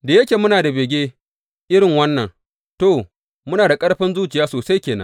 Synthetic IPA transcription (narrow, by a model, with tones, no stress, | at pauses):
da˨je˦kʲeː˨mʊ˦naː˨da˨beː˨ɡʲeː˦ | ʔɪ˦ɽɪ˨ŋwɐ˦nːɐ̰˨ŋ | to˨ | mʊ˦naː˨da˨kʼɐ˦ɽɸɪ˦nzuː˦t͡ʃɪ˨jaː˦soː˨sa˦jkʲeː˨nɐ̰˦